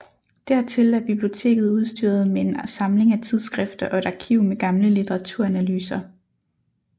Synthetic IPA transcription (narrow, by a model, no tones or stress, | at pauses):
d̥æɐ̰t͡sʰe̝læɐb̥ib̥lio̝t͡sʰe̝̰ːɡ̥ð̩ˠuð̞ˠsd̥y̰ːɐð̞̩ˠmeensɑ̈mle̝ŋæt͡sʰið̞ˠsɡ̥ʁɛfd̥ɐʔɒ̽e̝ɾ̥ɑ̈kʰiʊ̰meɡ̥ɑ̈mləlit͡sʰeʁɑ̈t͡sʰuɐ̰ænælyːsɐ